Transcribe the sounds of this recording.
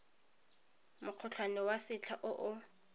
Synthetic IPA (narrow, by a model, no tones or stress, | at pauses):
mʊq͡χʰʊt͡ɬʰwanɛwasɪt͡ɬʰaʔʊʔʊ